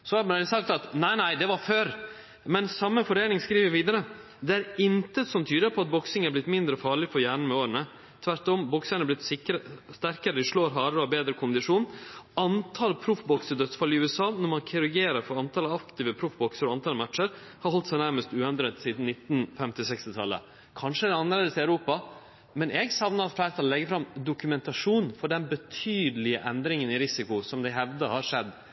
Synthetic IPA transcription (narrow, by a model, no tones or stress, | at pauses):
sɔhɑɾælsɑkt̪ɑt̪næɪnæɪd̪ɛʋɑɾføːɾ | mɛnsɑmːəfɔɾeːnɪŋskɾiːʋəɾʋiːd̪əɾə | d̪ɛæɾɪnt̪əsɔmt̪ʰyːd̪əɾpʰɔɑt̪̚bɔksɪŋæɾblɪt̪ːmɪnd̪ɾəfɑːɭɪfɔɾjæːɳən̩mɛoːɾənə | t̪ʰʋæɾʈɔmbʊksənæblɪt̪sɪkst̪æɾkəɾəd̪ɪʂɭoːɾɦɑːɾəɾɔɑbeːd̪ɾəkʰʊnd̪ɪʂuːnɑnt̪ʰɑlpʰɾʊfbɔksəɾd̪œt̪sfɑlɪʉːɛsɑːnɔɾmɑnkʰɪɾʊɾɡeːɾəɾfɔɾɑnt̪ʰɑlɑkt̪ɪːʋəpʰɾʊfbɔksəɾɔɑnt̪ʰɑlmæʈʂəɾ | hɑɾhɔlt̪sɛæɪnæɾməst̪ʉːɛnd̪ɾɛt̪siːd̪n̩nːɪt̪ːnfɛmt̪ɪsɛkst̪ɪt̪ʰɑlːə̰ | kʰɑnʂəd̪ɛnɑnːəɾleːd̪əsɪʉɾuːpɑ | mɛnʔɛɡsɑʋnəɾɑt̪flæɪɾət̪ʰɑllːɛɡəɾfɾɑmd̪ʊkʉmɛnt̪ɑʂuːnfɔɖɛnbət̪ʰyːd̪əlɪəʔɛnd̪ɾɪŋənɪɾɪsɪkʊsɔmd̪ɛɦɛʋd̪əhɑɾʂɛd̪ː